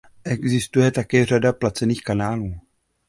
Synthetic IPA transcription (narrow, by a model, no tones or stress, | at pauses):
ʔɛɡzɪst̪ujɛt̪akɛːr̝adaplat͡sɛniːxkanaːluː